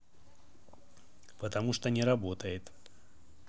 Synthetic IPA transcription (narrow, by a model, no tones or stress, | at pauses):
pət̪ɐmuʂt̪onʲɪɾɐbot̪əjɪt̪